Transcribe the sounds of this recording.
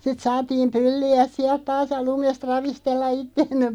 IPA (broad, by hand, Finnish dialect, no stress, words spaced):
sit sɑːtiːm pylːiæs̆ siælt̆ tɑːs jɑ lumest rɑʋistelːɑ itːeːmːe